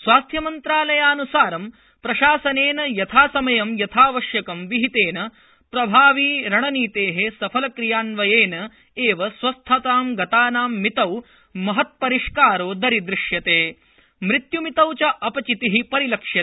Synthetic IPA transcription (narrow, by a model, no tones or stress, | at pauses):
sʋaːst̪ʰjɐmɐnt̪ɾaːlɐjaːnusaːɾɐm | pɾɐʃaːsɐneːnɐjɐt̪ʰaːsɐmɐjɐmjɐt̪ʰaːʋɐʃjɐkɐmʋiɦit̪eːnɐ | pɾɐbʱaːʋiːɾɐɳɐniːt̪eːɦesɐpʰɐlɐkɾijaːnʋɐjeːnɐ | eːʋɐsʋɐst̪ʰɐt̪aːmɡɐt̪aːnaːmːit̪ɐw | mɐɦɐt̪̚pɐɾiʂkaːɾoːd̪ɐɾid̪ɾɪʂjɐt̪eː | mɾit̪jumit̪ɐwt͡ʃɐʔɐpɐt͡ʃit̪iɦipɐɾilɐkʂjɐt̪ː